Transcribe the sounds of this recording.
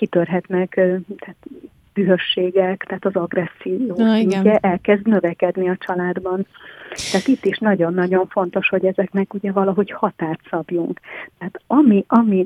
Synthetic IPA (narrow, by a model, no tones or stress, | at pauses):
kit̪ørɦɛt̪nɛkt̪ɛːt̪ | b̥yɦøʃːeːɡɛkt̪aɦːt̪ɒzɒɡrɛsːioːsiɲcːɛʔɛlkɛzd̪nø̞vɛkɛd̪niɒt͡ʃɒlaːd̪bɒnt̪ɛɦat̪it̪ːiʃnɒɟo̞nːɒɟo̞ɱfo̞nt̪o̞ʃho̞ɟɛzɛknɛkuɟɛvɒlɒɦo̞chɒt̪aːrt̪sɒbjuŋkt̪ɛɦaːt̪ɒmiʔɒmi